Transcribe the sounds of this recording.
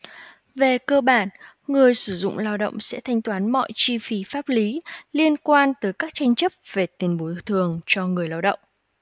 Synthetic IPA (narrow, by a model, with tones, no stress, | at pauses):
ve˨˩kəː˧ɓaː˧˩n | ŋɨ˨˩əjsɨ˧˩zʊ̰˧˨ŋ͡mlaː˧wɗə̰˧˨wŋ͡msɛ̰˧˥t̪ʰa˧jŋ̟t̪waː˨˦nmɔ̰˧˨jt͡ɕi˧fi˨˩faː˦˥p̚li˨˦li˧ənkwaː˧nt̪əː˨˦jkaː˦˥k̚t͡ɕa˧jŋ̟t͡ɕə˦˥p̚ve˨˩t̪i˧˩ənɓo˨˦jt̪ʰɨ˨˩əŋt͡ɕɔ˧ŋɨ˨˩əjlaː˧wɗə̰˧˨wŋ͡m